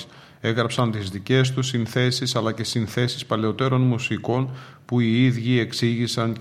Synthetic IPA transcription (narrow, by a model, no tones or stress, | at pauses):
e̞ɣɾɐpsɐnt̪izðice̞st̪usinθe̞sisɐlɐce̞sinθe̞si̥spɐle̞o̞t̪e̞ɾo̞nmusiko̞n | puiiðʝie̞ksiʝisɐn